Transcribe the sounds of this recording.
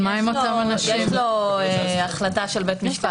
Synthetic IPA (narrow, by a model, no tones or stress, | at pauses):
maɛmot̪amanaʃjeimloeaχlataʃelbet̪miʃka